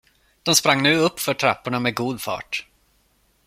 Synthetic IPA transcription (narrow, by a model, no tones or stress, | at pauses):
d̪̥ɔmspɾaŋːnʉ̟ːɵpːfœʈʰɾa̰pːʊɳamɛɡuːd̪fɑ̰ːʈ